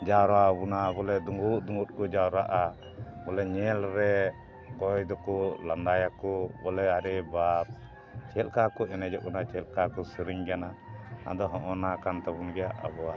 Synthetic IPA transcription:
d͡ʒaɾabunabɔlɛd̪uŋɡuʔ̪̚d̪uŋɡut̪̚kɔd͡ʒaɾaʔa | bɔlɛɲɛlɾɛ | kɔjd̪ɔkɔlanɖajakɔbɔlɛaɾɛbap̚ | t͡ʃɛlkakɔʔɛnɛd͡ʒɔʔ̚ɡɔnat͡ʃɛlkakɔsiɾiŋɡanaa̰d̪ɔɦɔ̃ʔɔnakant̪ɛbunɡɛjaʔa̰bɔa

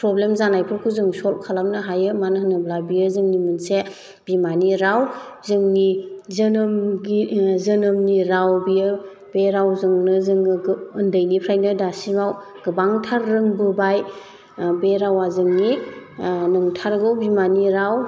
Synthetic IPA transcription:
pɾɔblemzanajpʰɯɾkʰuzɯŋsɔlp̚kʰalamnɯɦajɯmanɦɯnɯblabijɯzɯŋnimunse | b̥imaniɾawzɯŋnizɯnɯmɡizɯnɯmniɾawbiɯ | beɾawzɯŋnɯzɯŋɯɡɯndəjnipʰɾajnɯdasimaw | ɡ̥ɯbaŋtʰaɾːɯŋbɯbaj | beɾawazɯŋni | nɯŋtʰaɾɡɯwbimaniɾaw

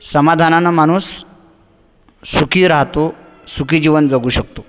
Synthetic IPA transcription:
səmad̪ʱananamaɽ̃uːs | ukʰiːɾaɦt̪o | sukiːd͡ʑiʋənd͡zaɡuːɕək̚t̪o

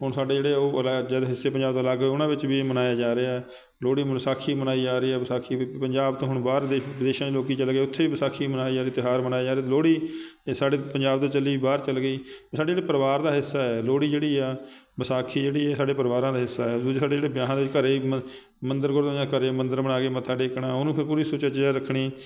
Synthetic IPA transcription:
ɦʊɳsaːɖeːd͡ʒeːɽeːoːəlad͡ʒad̪ɦɪsːeːpəɲd͡ʒaːb̚d̪aːlaːɡeʊnãːʋɪt͡ʃʋiːmənaːjaːd͡ʒaːɾeɛː | loːɽiːmənsaːkʰiːmənaːiːd͡ʒaːɾiːɛːbəsaːkʰiːpəɲd͡ʒaːbt̪õːɦʊɳbaːɾd̪eːʋɪd̪eːʃãːd͡ʒːloːkiːt͡ʃəlɡeːʊt̪ʰːeːiːbəsaːkʰiːmənaːiːd͡ʒaːɾiːt̪ɪɦaːɾmənaːjaːd͡ʒaːɾeːt̪ːloːɽiː | saːɖeːpəɲd͡ʒaːb̚t̪õːt͡ʃəlːiːiːbaːɾt͡ʃəlɡəiːsaːɖed͡ʒeːɽeːpəɾʋaːɾd̪aːɦɪsːaːɛːloːɽiːd͡ʒeːɽiːɛː | bəsaːkʰiːd͡ʒeːɽiːɛːsaːɖeːpəɾʋaːɾãːd̪aːɦɪsːaːɛːd̪ːsaːɖeːd͡ʒeːɽeːbjaːɦãd̪eʋɪt͡ʃkəɾeː | mənd̪əɾɡʊɾd̪ːd͡ʒãːkəɾeːmə̃nd̪əɾmənaːkeːmət̪ʰaːɖeːkɳãːʊnũːpʰɪɾp̬uːɾiːsʊːt͡ʃət͡ʃaːɾəkʰɽiː

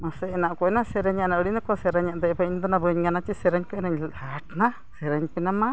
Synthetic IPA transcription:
masɛɛnaʔkɔnasɛɾaɲanaʔuɽinakɔsɛɾaɲaʔd̪ɛbaiɲd̪ɔnabəɲɡanat͡ʃisɛɾaɲkɔnaɲhaʈna | sɛɾaɲpɛnama

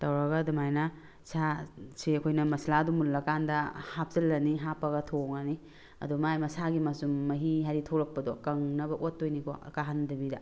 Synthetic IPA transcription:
tɐwɾɐɡɐdumajnɐ | sʰaseɐkʰojnɐmɐsladumulːɐkandɐhap̚zɐlːɐniɦapɐɣɐtʰoŋani | ɐ̰dumajmɐsaɡimasumːɐɦiɦaɾitʰoɾɐk̚pɐdɔkɐŋnɐbɐʔotːojnikʰɔ̰kaɦandɐbidɐ

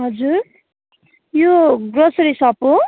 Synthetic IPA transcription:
ɦʌd͡zuɾ | joɡɾʌsʌɾisʌpõ

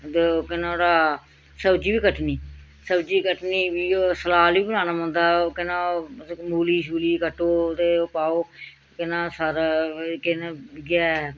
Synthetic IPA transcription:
d̪eokɪnãːɾaː | səbd͡ʒiːbiːkəʈniː | səbd͡ʒiːkəʈniːʋiːoːsəlaːliːbənaːnaːmə̃ːnd̪aːokɪnãːmuːliːʃuːliːkəʈːoːt̪eːopaːoː | kɪnãːsaːɾkɪnaɡɛː

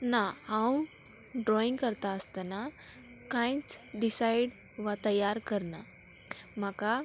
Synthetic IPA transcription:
naãw | ɖɾɔĩŋɡkəɾt̪aəst̪ana | kãjt͡sɖisajɽ | ʋat̪əjaɾkəɾna | m̤aka

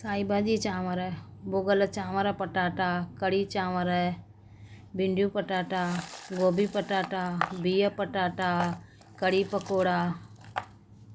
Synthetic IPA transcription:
saːibaʄiːt͡ʃaːʋəɾɛboːɡələt͡ʃaːʋəɾəpəʈaːʈaːkəɽiːt͡ʃaːʋəɾɛ | bʱɪɳɖjũːpəʈaːʈaːɡoːbiːpəʈaːʈaːbiːəpəʈaːʈaː | kəɽiːpəkoːɽaː

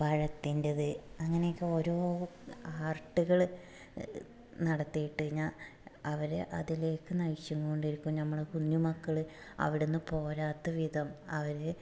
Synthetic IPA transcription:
ʋɐɻɐt̪ːindɐðɨɐŋːɐnekːɨo̞ːɾo̞ːaːrʈːuɣɐɭ | nɐɽɐt̪ːijiʈːɨɣiɲːaːɐʋɐɾɨʔɐðile̞ːkːɨnɐjiɕjɐŋːuɣoɳɖiɾukʲːumnɐmːɐɭekunjumɐkːɐɭɨ | ɐ̰ʋiɽenːɨpo̞ːɾaːt̪ːɐʋid̪ʱɐmɐʋɐɾɨ

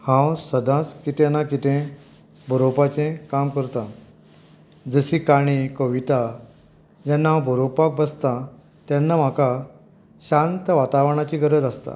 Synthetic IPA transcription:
hãwsəd̪ʱãt͡skit̪enakit̪ʰẽ | bʱəɾowpat͡ɕẽkamkəɾt̪a | d͡zəɕikaɽ̃ikəʋit̪a | d͡ʑanːaɦãbʱəɾopak̚bəst̪a | t̪janːam̤aka | ɕant̪əʋat̪aʋɳat͡ɕiɡəɾəd͡zast̪a̰

